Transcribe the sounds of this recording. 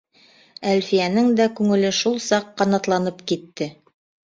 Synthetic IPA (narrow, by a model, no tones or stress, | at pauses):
ælfijænɘŋd̪ækʉŋɘ̆lɘʃulˠsɑqːɑnɑt̪lˠɑnɤpkit̪ːɘ